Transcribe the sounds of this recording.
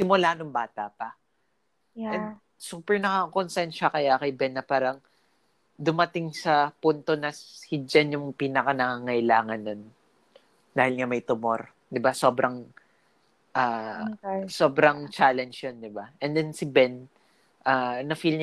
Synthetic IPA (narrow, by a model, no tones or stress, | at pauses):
sɪmʊlaːnoŋbaːt̪ɐpɐ | ʔʔɛn | suːpɛɹnɐkɐkonsɛnt̪ʃɐkɐjakɐjbɛnːɐpaːɾɐŋ | d̪ʊmɐt̪ɪŋsɐpunt̪o̞nɐshid͡ʒɐnjʊŋpiːnɐkɐnɐŋaŋɐɪlaːŋɐnːon | d̪aːhɪlŋɐmɐjt̪ʊmo̞ɾ | d̪ɪbaso̞bɾɐŋ | ʔaː | sobɾɐŋt͡ʃaːlɛnd͡ʒjand̪ɪbaʔɛnd̪ɛnsɪbɛn | ʔanɐfilɲ